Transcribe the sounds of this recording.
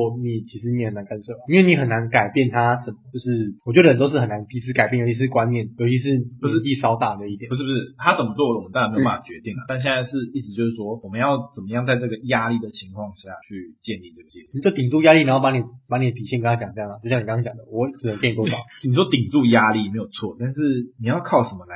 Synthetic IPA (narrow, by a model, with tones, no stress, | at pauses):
ɔ˥ni˨˩t͡ɕʰi˧˥ʂ̬ɻ̩˧ni˨˧˥ə˨˩na˧˦kʰa˥˩nʂə˥˩a˨˦i˥nwe˥˩ni˧˥xə˨˩nːa˧˦nka˨˩ɪpjɛ˥˩nt̪ʰa˦ʂə˨˩mə˦t͡ɕjo˥˧ʊʂɻ̩˥˩wɔ˨t͡ɕo˥˩də˩ə˨˩t̪ʂ̬̩˥˩ə˨˩na˧˦npi˧˥s̩ʰ˥ka˨˩pjjo˧˥t͡ɕʰi˧ʂɻ̩˥˩kwa˦nnjɛ˥˩njo˧ʊt͡ɕʰi˧˥ʂ̬ɻ̩˥˩u˩˨˥t͡ɕi˥˩ʂɑ˥ʊt̪a˨˩d̪ə˩i˥˩jpu˩ʂ̬̩˥pu˩ʂ̩˥˩t̪ʰa˦t͡sə˨˩mə˦t͡swɔ˥˩wə˨wmə˦na˥˧˥ba˥˩a˥˩t͡ɕɥɛ̰˧˦t̪i˥˩ŋə˨˩t̪a˥˧nɕ̬ɛ˥˧na˥˧ɪʂɻ̩˥˧i˥˩t͡sɻ̩˨˩t͡ɕjo˥˧ʊʂɻ̩˥˩wɔ˦˥wɔ˨˩mə˨˦njɑ˥˩ʊt͡sə˨˩nmə˦jɑ˥˧ŋt͡sa˥˧ɪʈ͡ʂɤ˥˩ɡə˨ja˦˥li˥˩d̪ə˩t͡ɕʰi˧˥ŋkʰwɑ˥˧ŋɕja̰˥˩t͡ɕʰy˥˧t͡ɕjɛ˥˧ni˥˩t͡sə˥˩ɡt͡ɕɛ˨˥˩i˨˩t͡ɕt̪i˨˩ŋt͡su˥˩ja˦˥li˥˩ni˨˧˦jpa˥ni˨˩pa˧˥ŋni˨˩d̪ə˩p̪i˨˩ɕɛ˥˩kə˥nʰa˥t͡ɕjɑ˨˩ŋʈ͡ʂɤ˧˥˩lə˨t͡ɕo˥˩ʊɕjɑ˥˨ŋni˨˩kt͡ɕjɑ˨˩ŋd̪ə˩˦wɔ˧˦kʰə˨˩ə˧˦ŋ˥˩n˨˩wo˥˨˩ni˨˩ʂwɔ˦˥t̪i˨˩ŋt͡su˥˩ja˦li˥˨me˧˥ɪjo˨˩ʊt͡sʰwɔ̰˥˨t̪a˥˧nʂɻ̩˥˩ni˨˩jɑ˥˧ʊkʰɑ˥˩ʊʂə˧˦nmə˧la˨˧˦